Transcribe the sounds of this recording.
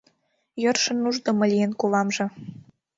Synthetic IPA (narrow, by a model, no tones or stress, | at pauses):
jørʃɤ̆nːuʒd̪ŏmɤ̆lʲijenkulɑmʒɤ̆